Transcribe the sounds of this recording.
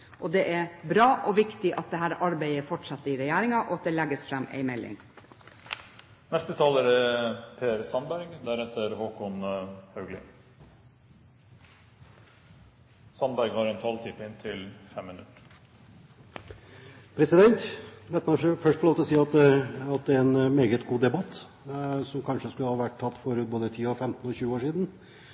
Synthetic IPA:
ʔɔd̪ɛʔæɾbɾɑːʔɔʋɪkt̪ɪʔɑt̪̚d̪ɛɦæːɾɑɾbæɪəfɔʈʂɑt̪ːəɾɪɾɛjæːɾɪŋɑʔɔɑt̪̚d̪ɛlæɡːəsfɾɛmːæ̰ɪmɛlːɪ̰ŋ | nɛst̪ət̪ʰɑːləɾæpʰeːɾsɑnbæɾɡd̪æɾɛt̪əɾhoːkʰɔnhɑʉɡlɪ̰ | sɑnbæɾɡhɑɾɛnt̪ʰɑːlt̪ʰɪpɪnt̪ʰɪlfɛmːɪnʉt̪ | pʰɾɛsɪd̪ɛnt̪lɛt̪mɑnfœʂʈfɔloːt̪ɔsiːɑt̪ɑt̪̚d̪ɛɾɛnmeːɡət̪ɡuːd̪ɛbɑt̪ː | sɔmkʰɑnʂəskʉləhɑːʋæʈʰːɑt̪ːfɔɾʉt̪̚boːd̪ət̪ʰiːɔfɛmt̪n̩ɔçʉːəoːʂiːd̪n̩

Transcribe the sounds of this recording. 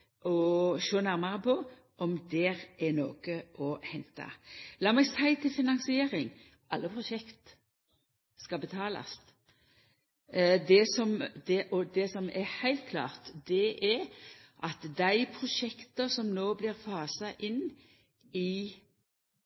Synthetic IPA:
ʔɔʃoːnæɾmɑʁəpʰɔ | ʔɔmd̪ɛɾʔɛno̰ːɡəʔɔhɛnt̪ɑ̰lɑːmɛɡst̪ʰæɪt̪ʰɪlfɪnɑnŋsɪeːɾɪŋ | ʔɑlːəpʰʁʊʃɛkt̪ | skɑbət̪ʰɑːlɑ̰s | d̪ɛsɔmd̪ɛʔɔd̪ɛsɔmɛɾhæɪlt̪̚kʰlɑ̰ːʁt̪d̪ɛʔɛɾʔɑt̪d̪æɪpʰʁʊʂɛkt̪əsɔmnoːblɪʁfɑːsɑʔɪn | ɪ

